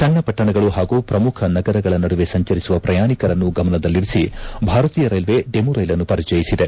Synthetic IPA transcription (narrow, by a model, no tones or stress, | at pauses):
t͡ʃɐlːɐpɐʈːɐɳɐɡɐɭuɦaːɡuːpɾɐmukʰɐnɐɡɐɾɐɡɐɭɐnɐɽuʋe̞sɐɲt͡ʃɐɾisuʋɐpɾʔɐjaːɳikɐɾɐnːuɡɐmɐnɐd̪ɐlːiɾisibʱaːɾɐt̪iːjɐɾɐjlʋe̞ɖemuɾɐjlɐnːupɐɾid͡ʒɐjisid̪e̞